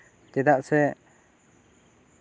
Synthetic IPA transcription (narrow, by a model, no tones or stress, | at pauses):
t̪ɛd̪aʔsɛ